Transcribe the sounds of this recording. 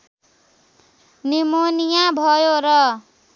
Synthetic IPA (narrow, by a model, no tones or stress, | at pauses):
nimonijabʱʌjoɾʌ